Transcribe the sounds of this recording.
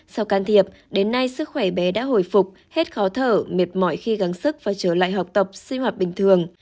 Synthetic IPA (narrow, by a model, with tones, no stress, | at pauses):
sa˧wkaː˧nt̪ʰi˧˩əp̚ | ɗe˨˦nːa˧jsɨ˦˥k̚xwɛ˧˩ɓɛ˨˦ɗa̰ː˧˥ɦo̰˧˩jfʊ˨˩k͡p̚ | he˦˥t̚xɔ˨˦t̪ʰəː˧˩me˨˩t̚mɔ̰˧˨jxi˧ɣa˨˦ŋsɨ˦˥k̚vaː˨˩t͡ɕəː˧˩la̰ː˧˨jɦa˨˩k͡p̚t̪ə˨˩k͡p̚sï˧ŋhaː˨˩p̚ɓï˨˩ŋ̟t̪ʰɨ˨˩əŋ